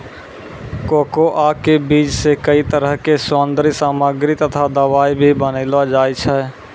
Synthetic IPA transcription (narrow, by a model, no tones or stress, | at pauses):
koːkoʔakebiːd͡ʒsekəit̪əɾəɦkesõːnd̪ɾisaːməɡɾit̪ət̪ʰad̪əʋaːibʱibəneːlad͡ʒaːjt͡ʃʰɛ